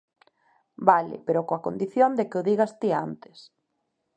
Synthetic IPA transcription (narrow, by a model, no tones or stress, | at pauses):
balɪ̰peɾokoakond̪iθjond̪ekeʊðiɣast̪ia̰nt̪ɪ̥s